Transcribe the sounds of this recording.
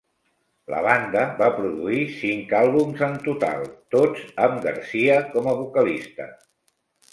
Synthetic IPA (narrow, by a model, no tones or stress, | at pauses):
lə̰βand̪əβapɾuðuisiŋkalˠβumzənt̪ut̪a̰lˠt̪odzəmɡə̰ɾsiəkɔməβukəlist̪ə̰